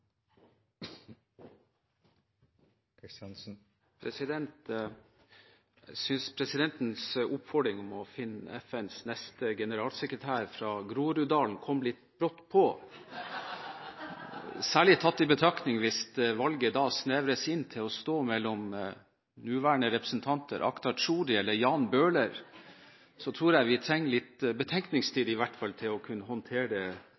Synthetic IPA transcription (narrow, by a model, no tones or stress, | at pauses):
kst̪ns̩ | pʰɾɛsɪd̪ɛnt̪ | sʏnspʰɾɛsɪd̪ɛnt̪n̩sʊpfɔɖɾɪŋɔmɔfɪnːɛfɛnsnɛst̪əɡɛnəɾɑːlsɛkɾət̪ʰæːɾfɾɑːɡɾuːɾʉd̪ɑːln̩kʰɔmlɪt̪bɾɔt̪ːpʰɔ | sæːɭɪt̪ʰːɑt̪ːɪbət̪ʰɾɑknɪŋʋɪst̪ʋɑlɡəd̪ɑsneːʋɾəsɪnt̪ʰɪlɔst̪oːmɛlːɔm | nʉːʋæːəɳəɾɛpɾəsn̩t̪ʰɑnt̪ʰə̰ɾʔɑ̰kt̪ɑʂuːd̪ɪɛlːəɾjɑːnbøːləɾ | sɔt̪ʰɾuːɾjæɪʋɪt̪ʰɾɛŋːlɪt̪bət̪ʰɛŋknɪŋst̪ʰiːd̪ɪʋæʈfɑlt̪ʰɪlɔkʰʉnːəhɔnt̪ʰeːɖɛ